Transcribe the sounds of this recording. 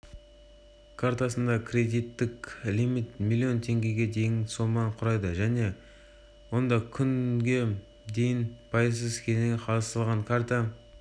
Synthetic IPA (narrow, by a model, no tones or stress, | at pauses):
kʰaɾt̪asənd̪ɑkʲʰrʲe̞d̪ijt̪ːɪklimit̪mʲilʲːio̞nt̪ʰe̞ŋɡʲe̞ɡʲe̞d̪e̞jɪnso̞mɑɴqʰʊɾɑjd̪əʒæne̞ | wo̞nd̪ɑkʲʰʏŋɡʲe̞ | d̪e̞jɪnpʰɑjəzs̬əzkʲʰeneqʰɑlˠəst̪əlˠʁɑŋkʰaɾt̪a